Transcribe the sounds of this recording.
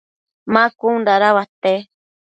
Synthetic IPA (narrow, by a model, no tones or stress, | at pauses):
mãkuund̪aɾaβat̪e